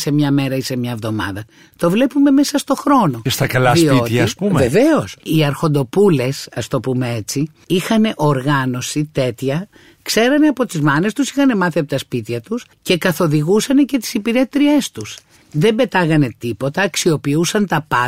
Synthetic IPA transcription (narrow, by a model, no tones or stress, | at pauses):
se̞mɲɐme̞ɾɐise̞mɲɐevðo̞mɐ̰ðɐ | t̪o̞vle̞pume̞me̞sɐst̪o̞xɾo̞no̞est̪ɐkɐlɐðsioiç̪ɐispumeve̞ve̞o̞siɐɾxo̞nd̪o̞pule̞sɐst̪o̞pume̞e̞t͡si | ixɐne̞ʔo̞ɾɣɐno̞sit̪e̞t̪çɐ | kse̞ɾɐneɐpo̞t̪izmɐne̞st̪usixɐne̞mɐθiɐpot̪ɐspit̪çɐt̪us | ce̞kɐθo̞ðiɣusɐne̞ce̞t̪i̥sipiɾe̞t̪ɾie̞st̪us | ðe̞mbe̞t̪ɐɣɐne̞t̪ipo̞t̪ɐːksio̞piusɐnt̪ɐpɐ